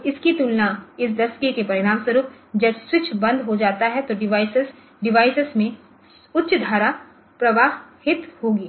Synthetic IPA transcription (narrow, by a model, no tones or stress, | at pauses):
ɪskit̪ulnaɪs̬d̪ɐskekepɐɾɪɾaːmswɐɾuːp̚ | d͡ʒɐbswɪt͡ʃʰbɐ̃nd̪ʱɦod͡ʒaːt̪aɦɛt̪oɖɪʋaːɪsɪs | ɖɪʋaːɪsɪsmẽ | ʊtːʃd̪ʱaːɾa | pɾɐʋaːɦhɪt̪hoːɡiː